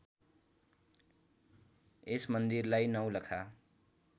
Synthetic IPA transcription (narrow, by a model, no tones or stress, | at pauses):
esmʌnd̪irlajnʌwlʌkʰa